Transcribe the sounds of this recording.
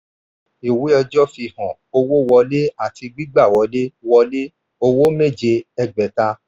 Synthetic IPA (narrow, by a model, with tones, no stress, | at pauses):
i˨wi˨˦ɔ˧d͡ʒɔ˦fi˧hɔ̃˨ | o˧wo˦wɔ˧le˦a˦˨ti˧ɡ͡bi˦ɡ͡ba˦˨wɔ˨˧˦le˦wɔ˧le˦ | o˧wo˦me˦˨d͡ʒe˧ɛ˧ɡ͡bɛ˨ta˧